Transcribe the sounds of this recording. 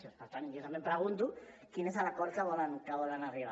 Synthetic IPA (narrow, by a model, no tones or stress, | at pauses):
ospaɾt̪anjosamempɾeɣ̞unt̪̬ukinesalakoɾt͡ʃ̪aβolaŋkaβolanariβa